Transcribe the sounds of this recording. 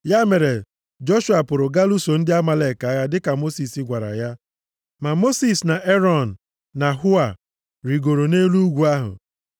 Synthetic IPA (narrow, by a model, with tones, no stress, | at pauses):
ja˦me˨ɾe˨ | d͡ʒo˦ʃu˨a˨pʊ˨ɾʊ˨ɡa˦lu˦so˨n̩˦dɪ˦a˦ma˨le˨ka˨a˦ɣa˨dɪ˦ka˨mo˦si˨si˦ɡʷa˨ɾa̰˨ja˦ | ma˨mo˦si˦sna˨ʔe˦ɾɔ˦˨n̩˨ | na˨ɦʊ˦a˨ | ɾi˨ɡo˨ɾo˨ne˦lu˦u˦ɡʷu˨a˦ɦʊ̰˨